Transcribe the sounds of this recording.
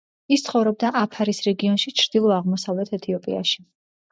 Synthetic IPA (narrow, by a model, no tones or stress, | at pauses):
ist̪sʰχɔvɾɔb̚d̪aʔapʰaɾisɾɛɡiɔnʃit͡ʃʰɾd̪̥ilˠɔaʁmɔsavlɛt̪ʰɛt̪ʰiɔpʼḭa̰ʃi̥